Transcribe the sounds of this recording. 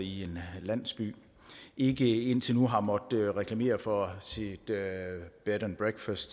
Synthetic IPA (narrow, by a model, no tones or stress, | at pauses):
ie̝nlæn̰sb̥y̰ː | ʔe̝ɡ̥əe̝n̰t͡sʰe̝lnuɦɑ̈mɒ̽d̥əʁɛkʰlæme̝̰ːɐfɒsid̥ | b̥ed̥ɐnb̥ʁeɡ̥fæsd̥